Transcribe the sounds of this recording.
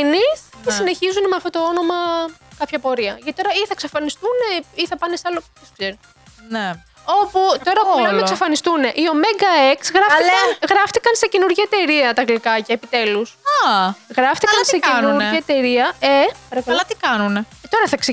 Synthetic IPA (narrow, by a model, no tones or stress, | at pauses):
niscesine̞çizunemeɐft̪o̞t̪o̞o̞no̞mɐkɐpçɐpo̞ɾiɐʝɐt̪i̥t̪oɾɐiθɐksefɐnist̪uneiθɐpɐnesɐlo | eskseɾi | ne | o̞put̪o̞ɾɐlɐksefɐnist̪une̞ʔio̞meŋɡɐeksɣɾɐfɐɣɾɐft̪ikɐnsecenuɾʝiet̪e̞ɾiɐt̪ɐɣlikɐcɐepit̪e̞lusɐɣɾɐft̪ikɐnsekenuɾiet̪e̞ɾiɐepɐɾɐkɐlɐt̪ikɐnune | t̪o̞ɾɐθɐkse